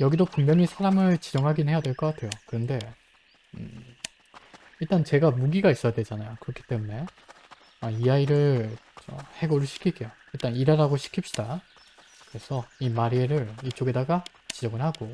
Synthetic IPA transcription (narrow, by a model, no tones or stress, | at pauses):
jʌɡidopuŋmjʌnisʰaɾamɯɭt͡ɕid͡ʑʌŋɦaɡinɯnhe̞jadwe̞ɭk͈ʌk͈atʰe̞jokɯɾʌnde̞ | ɯ | iɭt͈ant͡ɕe̞ɡamuɡiɡais͈ʌjadwe̞d͡ʑanajokɯɾʌkʰi̥t͈e̞mune̞ | aiaiɾɯɭt͡ɕohe̞ɡoɾɯɭɕʰi̥kʰiɡeo | iɭt͈aniɾaɾaɡoɕʰi̥kʰip̚ɕ͈id̥a | kɯɾe̞sʰʌimaɾieɾɯɾit͡ɕ͈oɡe̞daɡa | t͡ɕid͡ʑʌŋɯɭhaɡo